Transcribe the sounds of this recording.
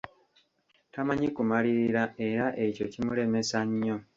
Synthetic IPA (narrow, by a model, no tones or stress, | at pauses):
tamaɲikumaliɾiɾae̞ɾaʔe̞co̞cimule̞me̞saɲːo̞